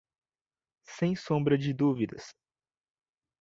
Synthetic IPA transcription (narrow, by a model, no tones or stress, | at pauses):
sẽj̃sõmbɾɐd͡ʒɪd̪uvid̪ɐ̰s